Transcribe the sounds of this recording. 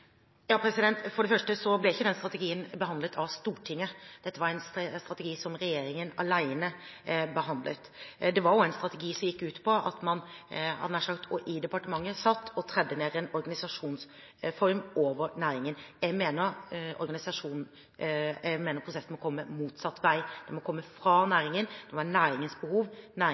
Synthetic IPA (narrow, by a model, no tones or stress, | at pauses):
jɑːpʰɾɛsɪd̪ɛnt̪fɔɖɛfœʂʈəsɔblɛɪçːəd̪ɛnst̪ɾɑt̪ɛɡiːənbəɦɑnd̪lət̪ʰɑʋst̪uːʈʰɪŋːəd̪̥ɛt̪ːəʋɑɾæɪnsst̪ɾɑt̪əɡiːsɔmɾɛjeːɾɪŋənɑlæɪnəbəɦɑnd̪lə̰t̪d̪ɛʋɑɾjʊæɪnst̪ɾɑt̪əɡiːsɔmjɪkːʉːt̪pʰɔɑ̰t̪mɑnɑ̰næːʂɑkt̪ʰɔʔɪd̪ɛpɑʈəmɑŋːəsɑt̪ːɔt̪ʰɾɛd̪ːəneːɾɛnɔɾɡɑnɪsɑʂuːns | fɔɾmʔoːʋəɾnæːɾɪŋənjɛɡmeːnəɾɔ̰ɾɡɑnɪsɑʂuːnn̩ | ɛmeːnəɾpʰɾʊsɛsːn̩mɔkʰɔmːəmuːt̪sɑt̪ːʋæɪd̪̥ɛmɔkʰɔmːəfɾɑːnæːɾɪŋənd̪̥ɛʋɑnæːɾɪŋənsbəhuːʋnæː